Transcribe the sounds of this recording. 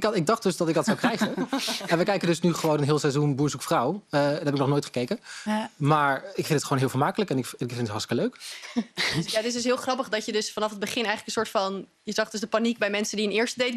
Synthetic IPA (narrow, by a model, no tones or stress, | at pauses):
kɪɡ̚dɑχd̥ɵsdɑtɪk̚ɡdɑtsawkrɛjχəɛnʋəkɛjkəndɵsnyχəʋownənɦɪːlˠsɛjzunbuːɹsukfrawədɦɛbɪknɔχnoːjtχə̥kejkənmaːɹɪkfɪntətχəʋownɦɪːlˠvəːɹmaːkələkɛnɪkɪkfɪntɦɑɹstɪ̥kəløɥk | jaətɪsdʏs̬ɦɪːlˠχrɑpəχdɑcədɵsfɑnɑfɦəd̚bəχɪnɛjχələkən̩sʊːɹtfɑn | jəzɑχdʏzdəpanik̚bɛjmɛnsəndiənɪːɹstədejt